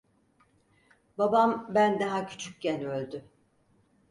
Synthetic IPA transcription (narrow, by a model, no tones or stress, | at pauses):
babambænd̪aɦacʰy̥t͡ʃʰyc̚cɛnølʲd̪y